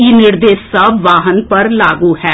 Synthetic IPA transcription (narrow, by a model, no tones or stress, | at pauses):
iːnɪɾd̪eːsːɐbʋaːɦənpəɾlaːɡuːhɛː